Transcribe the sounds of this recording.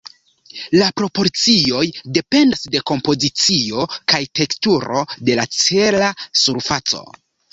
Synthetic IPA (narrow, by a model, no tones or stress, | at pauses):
lapɾo̞po̞ɾt͡sio̞jde̞pe̞ndasde̞ko̞mpo̞zit͡sio̞kajte̞ktuɾo̞de̞lat͡se̞lasuɾfat͡so̞̰